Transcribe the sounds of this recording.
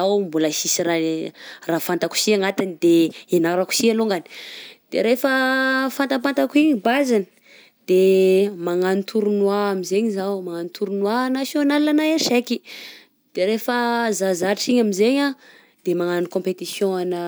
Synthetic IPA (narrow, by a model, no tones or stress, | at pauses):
awmbuləsisiɾarafant̪aku̥siaŋat̪inid̪eenaɾaku̥sialoŋɡani̥d̪̥ḛɾefəfant̪apant̪akuiɲibazani | d̪̥emaŋanit̪ʰuɾunwaamizeɲizawmaŋanit̪ʰuɾunwanasjonalanajanʃeki | d̪̥eɾefəzazaʈ͡ʂʈ͡ʂiɲamizeɲa | d̪̥emaŋanikõmpet̪isjõanə